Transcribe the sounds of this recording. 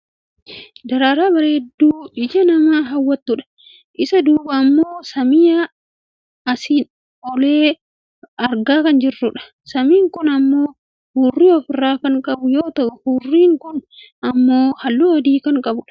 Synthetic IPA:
d̪ɐɾaːɾaːbɐɾeːd̪ːuːɪd͡ʒɐnɐmaːɦɐwːɐt̪ːʊᶑɐ̥ | ʔɪsɐd̪uːbɐːmːoːsɐmɪjɐ | ɐsiːn | ɔleː | ɐɾɡaːkɐnd͡ʒɪrːʊᶑɐ̥ | sɐmiːŋkʊnɐmːoː | huːrːiːɔfɪrːaːkɐŋkʼɐbʊjo̞ːt̪ɐʔʊhuːrːiːŋkʊn | ɐmːoːhɐlːuɔd̪iːkɐŋkʼɐbʊᶑɐ̥

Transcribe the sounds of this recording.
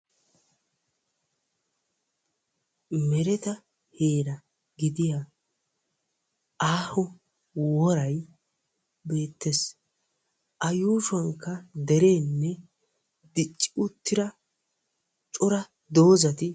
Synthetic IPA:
mɛɾɛt̪ɐ | he̞ːɾɐ | ɡɪd̪ɪja | ʔaːhɔ | wɔɾɐj | be̞ːt̪ːes | ʔɐjuːʃɐŋkːɐd̪ɛɾe̞ːnːɛ | d̪ɪt͡ʃʼːɪ̥ʊt̪ːɪɾɐ | t͡ʃʼʊɾɐ | d̪o̞ːzɐt̪ɪ

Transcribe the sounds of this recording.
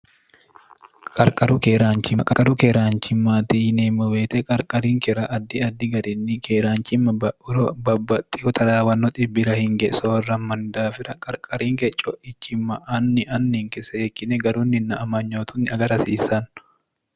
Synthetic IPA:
kʼɐɾkʼɐɾʊkeːɾaːnt͡ʃɪkʼɐkʼɐɾʊkeɾaːɲt͡ʃɪmːaːt̪ineːmːɔweːt̪ɛkʼɐɾkʼɐɾiːŋkɛɾɐʔɐd̪ːɪɐd̪ːɪɡɐɾɪnːɪkeːɾaːnt͡ʃɪmːɐbɐʔʊɾɔbɐbːɐt̪ʼːɪhɔt̪ʰɐd̪aːwɐnːɔt̪ʼɪbːɪɾɐhɪŋɡɛsɔwɐrːɐmɐnd̪aːfɪɾɐkʼɐɾkʼɐɾiːŋkɛt͡ʃʼːɔʔɪt͡ʃːɪmːɐʔɐnːɪʔɐnːɪŋkɛsɐeːkːɪnɛɡɐɾuːnːɪnːɐːmɐɲːoːt̪ʊnːɪɐɡɐɾɐsiːsɐn

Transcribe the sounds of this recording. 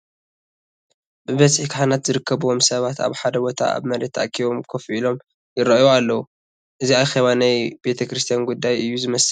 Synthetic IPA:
bɨβɐzʼħikħanat̪zɨɾɨkʰːɐβuwo̞msɐβat̪a̰βħad̪ɐbo̞t̪ʰa̰a̰βmɐɾet̪ʰa̰ʔkʰiβo̞mkʰofʔilo̞m | jɪɾɐʔoalːɐwu | ʔɨziaxɐβanajbe̞t̪ʰɐkɾɨst̪ʰijanɡud̪ːajɨjːuzɨmɐs

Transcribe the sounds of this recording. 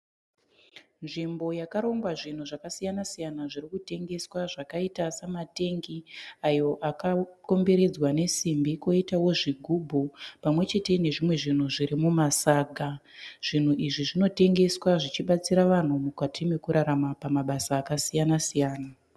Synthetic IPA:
nʐimbo̞jakaɾo̞ŋɡwaʐin̤uʐakasijanasijanaʐiɾikute̞ŋɡe̞swaʐakaitasamate̞ŋɡiajo̞ʔakako̞mbe̞ɾe̞d͡zwane̞simbiko̞itawo̞ʐiɡʱubʱupamwe̞t͡ʃe̞te̞ne̞ʐimwe̞ʐin̤uʐiɾimumasaːɡʱa | ʐ̥in̤uʔiʐiʐino̞te̞ŋɡe̞swaʐit͡ʃiɓat͡siɾaʋan̤umukatʰime̞kuɾaɾamapamaɓasaːkasijanasijaːna

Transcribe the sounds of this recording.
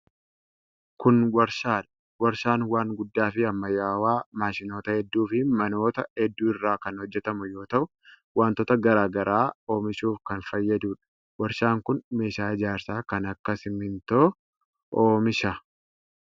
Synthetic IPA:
kʊnwɐɾʃaːᶑɐ | wɐɾʃaːnwaːŋɡʊd̪ːaːfɪɐmːɐjaːwaːmaːʃɪno̞ːt̪ɐhɛd̪ːuːfɪmɐno̞ːt̪ɐhɛd̪ːuːɪrːaːkɐnhɔd͡ʒːɛt̪ɐmʊjo̞ːt̪ɐʔʊ | waːnt̪ɔt̪ɐɡɐɾaːɡɐɾʔaːoːmɪʃuːfkɐnfɐjːɐd̪uːᶑɐ̥ | wɐɾʃaːŋkʊnme̞ːʃaːɪd͡ʒaːɾsaːkɐnɐkːɐsɪmɪnt̪oː | ʔoːmɪʃaː

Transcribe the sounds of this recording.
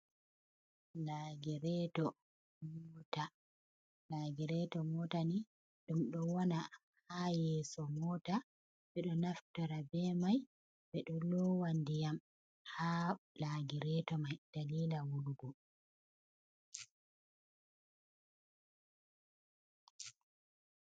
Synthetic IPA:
laɡiɾɛtɔ | mɔːta | laːɡiɾɛtɔmɔtani | ɗumɗɔwɔna | hajɛsɔmɔːta | ɓɛɗɔnaftɔɾabɛmaj | ɓɛɗɔlɔwandijam | halaɡiɾɛtɔmajd̥aliːlawuluɡɔ

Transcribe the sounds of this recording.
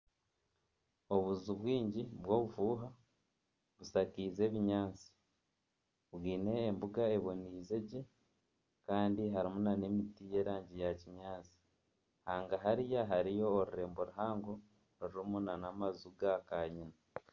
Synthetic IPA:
o̞βuzuβwiːɲɟiβwo̞ːβufuːɦa | βusakiːze̞ːβiɲaːt͡si̥ | βwiːne̞ːmbuɡae̞βo̞niːze̞ɟe̞ | kaːndiɦaɾimunanemitije̞ːɾaːɲɟijaciɲaːt͡si̥ | haːŋɡaɦaɾijaɦaɾijo̞ːɾuɾe̞ːmbo̞ɾuɦaːŋɡo̞ | ɾiɾimunanamazuɡakaɲina

